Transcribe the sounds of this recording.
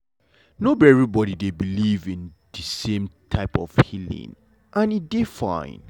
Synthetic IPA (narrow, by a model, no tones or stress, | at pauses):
nobɛɹibɔɾidebilivĩn | ð̥ɨsẽmtʰaɪpɔ̰v̥hilḭ̃ŋ | ʔãnit̚defã̰ɪ̃n